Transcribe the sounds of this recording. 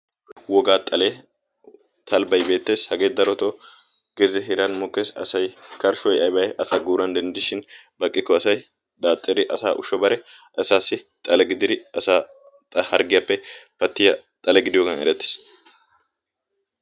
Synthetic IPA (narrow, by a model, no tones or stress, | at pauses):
wɔɡaːt̪ʼɐle̞ː | t̪ʰɐlbɐjbeːt̪ːe̞ːshɐɡe̞ːd̪ɐɾɔt̪oː | ɡ̥ɛzɛɦɪɾɐnmɔkːeːsɐ̰sɐjkɐɾʃɔjɐjbɐjɛʔɐsaːɡuːɾɐnd̪ɐnd̪ɪʃɪnbɐkʼːɪkːɔɐsɐj | d̪aːt̪ʼːɪɾɪʔɐsa̰ːʔʊ̰ʃːɔbɐɾɛ | ɐsaːsːɪ | t̪ʼɐlɛɡɪd̪ɪɾɪɐsaː | t̪ʼhɐɾɡɪjɐpːɛpɐt̪ːɪjɐt̪ʼɐlɛɡɪd̪ɪjɔɡɐnɛ̰ɾɛt̪ːe̥ːs